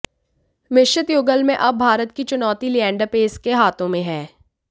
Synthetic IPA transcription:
mɪʃɪt̪joːɡəlmẽʔɐb̚ːʱaːɾət̪kit͡ʃʊnɔːt̪iliɛ̃ːɳɖapeːskeɦaːt̪ʰõmẽɦɛː

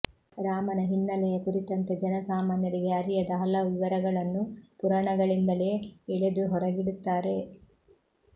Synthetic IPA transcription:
ɾaːmɐnɐɦinːɐlɛjɐkuɾit̪ɐnt̪ed͡ʒɐnɐsaːmaːnjɐɾiɡeɐɾijɐd̪ɐɦɐlɐʋiʋɐɾɐɡɐɭɐnːupuɾɐɳɐɡɐɭind̪ɐleeɭed̪uɦɔɾɐɡiɽut̪ːaːɾe̞

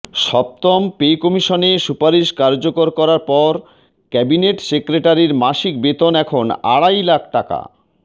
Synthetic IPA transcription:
ʃɔp̚t̪ɔmpekɔmiʃonesupaɾiʃkaɾd͡ʑokoɾkɔɾaɾpɔɾ | kɛbineʈsekɾeʈaɾiɾmaʃik̚bet̪onɛkʰona̰ɽajlakʰʈaka̰

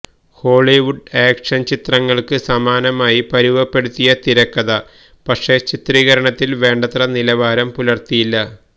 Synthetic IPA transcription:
ho̞ːɭiʋuɖeːkʂɐnt͡ɕit̪rɐŋːɐɭkɨsɐmaːnɐmaːjipɐɾuʋɐpːe̞ɽut̪ːijɐt̪iɾɐkːɐðɐ | pɐkʂe̞t͡ɕit̪riːɣɐɾɐɳɐt̪ːilʋe̞ːɳɖɐt̪rɐnilɐʋaːɾɐmpulɐrt̪ijilːɐ

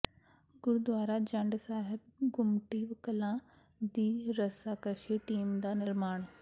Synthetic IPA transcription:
ɡʊɾd̪ʋaːɾad͡ʒɐ̃ɳɖsaːɦət̪ɡʊmʈiːʋkəlã | d̪iːɾɐsakɐʃeʈiːmd̪aːnɪɾmaːɽ̃

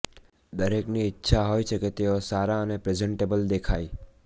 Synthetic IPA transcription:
d̪əɾekniɪtːʃʰaɦoːjt͡ʃʰeket̪eosaːɾaənepɾed͡ʒə̃ɳʈeːbəld̪ekʰaːi

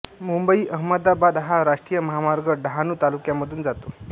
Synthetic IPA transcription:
mumbəiːʔəɦməd̪abad̪ɦaɾaʂʈɾijəməɦamaɾɡəɖəɦanuːt̪alukjaməd̪ʱuːnd͡zat̪o

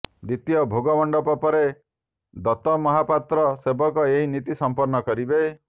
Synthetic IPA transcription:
d̪it̪ijɔbʱoɡɔmɔɳɖɔpɔpɔɾe | d̪ɔt̪ɔmɔɦapat̪ɾɔsebɔkɔeɦinit̪isɔmpɔɾnɔkɔɾibe

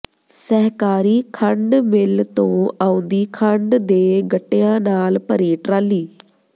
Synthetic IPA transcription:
sɛɦkaːɾiːkʰəɳɖmɪlt̪õːʔaːʊ̃nd̪iːkʰəɳɖd̪eːɡəʈːeːãːnaːlpəɾiːʈɾaːliː

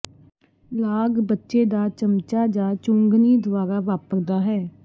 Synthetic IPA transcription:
laːɡbətːʃeːd̪aːt͡ʃəmt͡ʃaːd͡ʒaːt͡ʃʊŋɡniːd̪waːɾaːʋaːpəɾd̪aːɦɛː

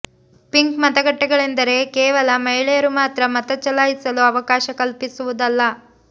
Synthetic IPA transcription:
piŋkmɐt̪ɐɡɐʈːɐɡɐɭe̞nd̪ɐɾe̞keːʋɐlɐmɐɦiɭɛjɐɾumaːt̪ɾɐmɐt̪ɐt͡ʃɐlaːjisɐluɐʋɐkaːʃɐkɐlpisuʋud̪ɐlːɐ

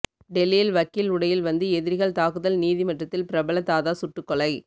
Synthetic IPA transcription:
ɖɛlːijɪlʋɐkːɪlʊɽɐjɪlʋɐnd̪ɯɛðɪɾɣɐɭt̪aːkɯðɐlniːðimɐʈrɐt̪ːɪlpɪɾɐbɐɭɐt̪ːaːðaːsʊʈːɯkːɔɭɐɪ

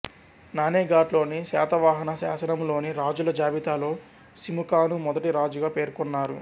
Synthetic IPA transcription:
naːneːɡaːɖlo̞ːnisa̰ːt̪ɐʋaːɦɐnɐsa̰ːsɐnɐmlo̞ːniɾaːd͡ʒulɐd͡ʒaːʋit̪aːlo̞ː | simukaːnumɔd̪ɐʈiɾaːd͡ʒuɡaːpe̞ːɾkɔnːaːɾṵ

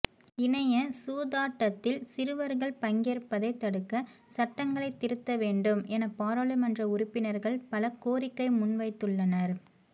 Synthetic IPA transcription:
ɪnɐjɐsuːðaːʈːɐt̪ːɪlsɪɾɯʋɐɾɣɐɭpɐŋɡeːɾpːɐðɐɪt̪ːɐɽɯkːɐsɐʈːɐŋɡɐɭɐɪt̪ːɪɾɯt̪ːɐʋeːɳɖɯmɛnɐpaːɾɐlɯmɐndrɐʊɾʊpːɪnɐɾɣɐɭpɐlɐkoːɾɪkːɐɪmʊnʋɐɪt̪ːɯɭːɐnɐɾ

